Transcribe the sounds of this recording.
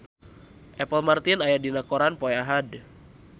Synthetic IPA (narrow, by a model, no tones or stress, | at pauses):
ʔɛpəlmart̪inajadinakoɾanpɔɛaɦad